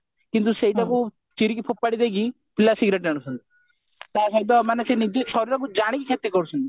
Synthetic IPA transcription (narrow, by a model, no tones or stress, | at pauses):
kint̪useiʈaku | t͡ʃiɾikipʰopːaɽid̪ek̬i | pilasiɡɾeʈaɽ̃ũsʰɔnt̪i̥ | t̪asait̪ɔmanɛsenid͡ʒesʰɔɾiɾɔkud͡ʒaɽ̃ikikʰet̪ikɔɾusʰɔnt̪i